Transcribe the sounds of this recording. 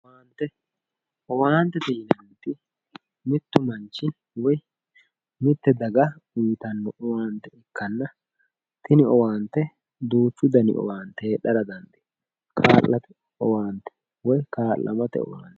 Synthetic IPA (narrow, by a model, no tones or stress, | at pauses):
waːnt̪ːɛ | ɔwaːnt̪ːɛd̪ɛjɪnɐnt̪ɪ | mɪt̪ːʊmɐnt͡ʃːɪ | wɔj | mɪt̪ːɛd̪ɐɡɐiːt̪ɐnːɔʔɔwaːnt̪ːɛɪkːɐnːɐ | t̪ɪnɪɔwaːnt̪ːɛ | d̪uːt͡ʃːʊd̪ɐnɪ̰ʔɔ̰waːnt̪ɛːɗːɐɾɐd̪ɐnd̪ɪ̥ | kʰaːlːɐt̪ɛ | ɔwaːnt̪ɛ̥ | wɔjkaːlːɐ̰mɐt̪ɛ̰ɔ̰wa̰ːnt̪ɛ̥